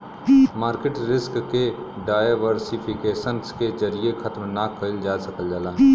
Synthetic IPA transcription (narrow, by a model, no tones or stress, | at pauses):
maːɾkeʈɾɪskkeɖaːɪʋəɾsipʰɪkeːʃənsked͡ʒəɾijexʰɐt̪mnaːkʰːəɪld͡ʒaːsɐkəld͡ʒaːlaː